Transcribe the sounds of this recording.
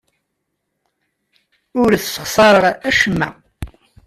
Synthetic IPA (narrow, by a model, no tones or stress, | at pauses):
ʊɾθsə̥χsˤɑɾˤəʁæʃəmːæ̰